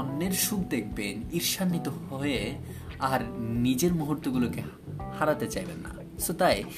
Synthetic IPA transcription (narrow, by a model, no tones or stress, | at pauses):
ɔnːeɾʃuɡ̚d̪ek̚ʰbeniɾʃanːit̪ohɔe | aɾnid͡ʑeɾmuɦuɾt̪oɡuloke | haɾat̪et͡ɕajbḛnːa̰ | sot̪aj